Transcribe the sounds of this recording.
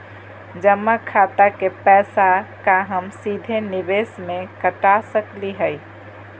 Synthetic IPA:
d͡ʒəmːakʰat̪akepɛsakaɦəmsid̪ʱenibesmekəʈasəkliɦəj

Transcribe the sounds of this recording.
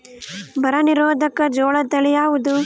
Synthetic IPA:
bɐɾɐniɾoːd̪ʱɐkɐd͡ʒɔːɭɐt̪ɐɭijaːʋud̪u

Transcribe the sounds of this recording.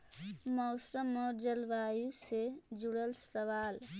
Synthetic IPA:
mʌwsəmɔd͡ʒəlʋajused͡ʒuɽəlsəʋal

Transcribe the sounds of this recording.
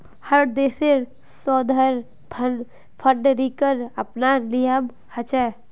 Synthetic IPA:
həɾd̪eːseɾ | sɔːd̪ʱəɾ | pʰən | pʰəɖɾikəɾəpnalijəm | hət͡ʃɛ

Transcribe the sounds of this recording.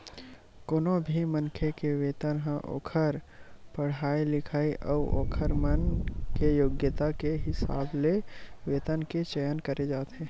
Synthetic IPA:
koːnobʱimɐnkʰekeʋeːt̪ənɦə̃ʔo̰ːkʰəɾpɐɽ̤aːilɪkʰaːiʔɔːʔo̰ːkʰəɾmənkejoːɡjət̪akeɦɪsa̰ːbleʋeːt̪ənket͡ʃɛjənkəɾed͡ʒaːt̪ɦɛ̃ː

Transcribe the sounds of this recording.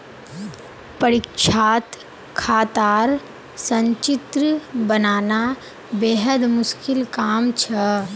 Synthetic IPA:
pəɾɪkʃʰaːt̪ | kʰaːt̪aːɾ | sə̃ɲt͡ʃɪt̪ɾəbənaːna | beːɦəd̪mʊskɪlkaːmt͡ʃʰə

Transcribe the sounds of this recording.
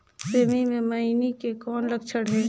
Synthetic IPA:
seːmimẽmɐinikekɔːnləkt͡ʃʰəɽɦɛː

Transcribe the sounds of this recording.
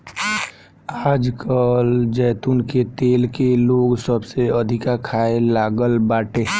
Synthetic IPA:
aːd͡ʒkəld͡ʒɛːt̪unket̪eːlkeloːɡsəbseəd̪ʱɪkakʰaːelaːɡəlbaːʈʰeː

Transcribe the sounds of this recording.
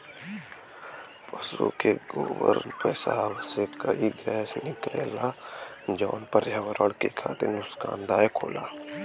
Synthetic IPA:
pɐsṵkeɡoːʋə̰ɾpəsaːbsekəiɡɛːsnɪkleːlad͡ʒɔːnpəɾjaːʋəɾəɽkekʰa̰ːt̪ɪɾnʊskaːnd̪aːekʰoːlaː

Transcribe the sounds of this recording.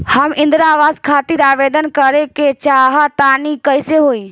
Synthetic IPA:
həmɪ̃nd̪ɾaːʋaːzkʰaːt̪iɾaːʋeːd̪ənkəɾeket͡ʃaːɦat̪aːnikəɪseɦoːiː

